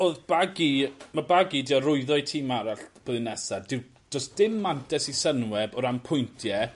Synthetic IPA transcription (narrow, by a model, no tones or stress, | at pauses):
oːðb̥aɡimabaɡidiɔrʊɨðɔjtʰiːmaɾaɬb̥oðɨnɛsadɪw | d̥ɔsd̥ɪmːantʰɛsisənwɛbɔɾampʰʊjntʰjɛ